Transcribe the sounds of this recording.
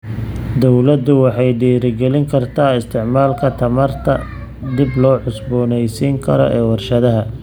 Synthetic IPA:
d̪ɔwlɐd̪ʊwɑħɑjɖiːɾɪɡɛlɪŋkʰɐrt̪ʰaːɪst̪ʰɪʕmaːlkʰɐt̪ʰɐmɐrt̪ʰɐ | d̪ɪblɔːħʊsbɔːnɛjsiːŋkʰɐɾɔ̰ʔɛːwɑrʃɐðɐɦɐ

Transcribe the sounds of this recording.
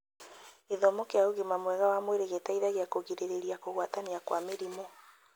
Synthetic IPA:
eðɔmokeauɣimamwɛɣawamweɾeɣetaiðaɣeakoɣiɾeɾeɾiakoɣwataniakwameɾimo

